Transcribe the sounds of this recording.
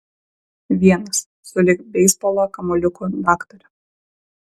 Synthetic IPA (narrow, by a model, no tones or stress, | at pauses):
ʋʲiɛnɐsːʊlʲɪkbʲɛɪspɔlˠoːkɐmɔlʲʊkud̪ɑːkt̪ɔɾʲʊ